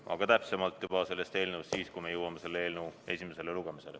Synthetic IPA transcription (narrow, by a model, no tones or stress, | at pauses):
ʔɑ̰ɡ̥ɑt̪æpse̞mɑlt̪ːˑjub̥ɑse̞lːe̞st̪e̞ːlneust̪siːskujme̞jɤwɑme̞se̞lːee̞ːlnewe̞sʲime̞se̞le̞luɡ̥e̞mise̞le